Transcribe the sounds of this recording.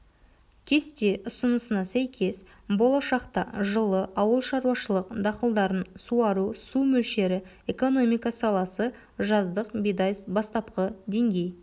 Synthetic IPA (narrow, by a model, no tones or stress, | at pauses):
kʲʰe̞st̪e̞ʔʊsənəsənɑsæjkʲʰe̞s | bo̞lˠɑʃɑqt̪ɑʒəlˠəʔɑwəlˠʃɑɾuwɑʃəlˠəqd̪ɑqəlˠd̪ɑɾənsuɑɾusumɵlʃe̞ɾɪ | eko̞no̞mijkɑsɑlˠɑsə | ʒɑzd̪əqbijd̪ɑjsbɑst̪ɑp̚qəd̪e̞ŋɡʲe̞j